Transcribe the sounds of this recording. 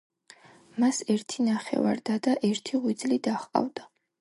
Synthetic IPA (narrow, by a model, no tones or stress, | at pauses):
masɛɾt̪ʰinaχɛ̰vaɾd̪ad̪aʔɛɾt̪ʰiʁwid̪zlid̪aχqʼa̰vd̪a